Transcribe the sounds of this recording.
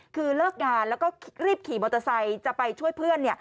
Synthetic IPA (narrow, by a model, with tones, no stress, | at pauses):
kʰɯː˧lɤː˥˩k̚ŋaː˧nlɛː˦˥wkɔː˥˩ɾiː˥˩p̚kʰiː˩˦moː˧t̪ːa˧sa˧jt͡ɕa˨˩pa˧jt͡ɕʰu˥˩əjpʰɯ˥˩ənːi˥˩ə